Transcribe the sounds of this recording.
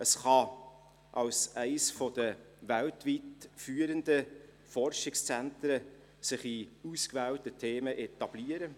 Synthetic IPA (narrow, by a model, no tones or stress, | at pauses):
əsχɑ | ʔɑlsæɪsfɔd̥ə | væltvitfyːəɾəndə | fɔɾʃɪkst͡sɛæntɾə | sɪχiuskvæːwtətʰeːməʔɛtɑb̥liːəɾə